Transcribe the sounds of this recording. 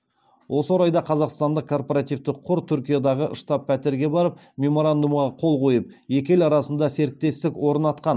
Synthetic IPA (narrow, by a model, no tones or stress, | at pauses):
wʔo̞səwo̞ɾɑjd̪ɑqʰɑzɑqst̪ɑnd̪əq̚kʰːo̞rpoɾat̪ijvt̪ɪqʰːʊɾt̪ʰʏɾkʲijad̪ɑʁəʔəʃt̪ɑpʰːæt̪ɪɾɡʲe̞bɑɾəp | mʲe̞mo̞ɾand̪umʁɑqʰo̞lˠqʰo̞jəp̚je̞kʲelɑɾɑsənd̪ɑse̞ɾɪk̚t̪e̞st̪ɪkwo̞ɾənɑt̪̚qɑn